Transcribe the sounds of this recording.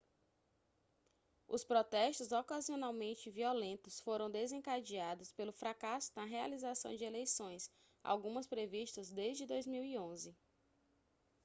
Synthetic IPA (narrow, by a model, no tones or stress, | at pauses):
ʊ̰spɾɔt̪ɛʃt̪ʊzɔkazionawmẽnt͡ʃɪviɔlẽnt̪ʊsfoɾɐ̃w̃d̪ezẽkad͡ʒiad̪ʊspelʊfɾakasʊ̥nɐɦea̰lizasɐ̰̃w̃d͡ʒɪelejsõj̃s | a̰wɡũmɐspɾeviʃt̪ɐzd̪ezd͡ʒɪd̪ojzmiwiõzɪ